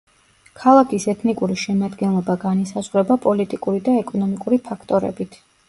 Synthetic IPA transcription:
kʰalˠakʰisɛt̪ʰnikʼuɾiʃɛmad̪ɡɛnlˠɔbaɡanisazʁɾɛbapʼɔlit̪ʼikʼuɾid̪aɛkʼɔnɔmikʼuɾipʰakʰt̪ʼɔɾɛ̰bit̪ʰ

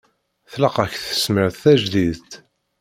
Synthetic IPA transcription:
θlɑqɑçθə̥sməɾθθæʒðiðt̪

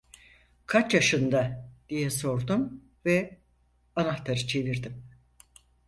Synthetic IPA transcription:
kʰat͡ʃjaʃɯnd̪ad̪̥ijɛso̞ɾd̪um | vɛ | anaxt̪ʰaɾɯt͡ʃʰe̞viɾd̪im

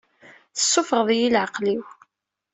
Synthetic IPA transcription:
θəsˤːofʁəðˤjilʕəqliw

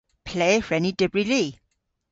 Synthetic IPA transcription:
pʰl̥eɪfɹɛnidɪbɹiliː

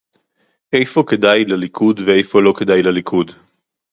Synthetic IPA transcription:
ʔejfo̞ked̪ajlalikʰud̪veejfo̞lo̞ked̪ajlalikʰud̪

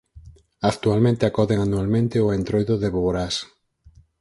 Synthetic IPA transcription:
akt̪ualmẽnt̪eakɔðeŋanualmẽnt̪eoent̪ɾojðʊðeβoβoɾas

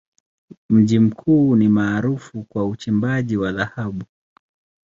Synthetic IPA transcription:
m̩ʄim̩kʰuːnimaːɾufukwaut͡ʃimbaʄiwaðahaɓu

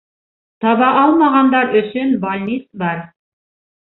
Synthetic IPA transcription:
t̪ɑβɑʔɑlˠmɑʁɑnd̪ɑɾɵ̆ʃɵnbalʲnʲisbɑɾ

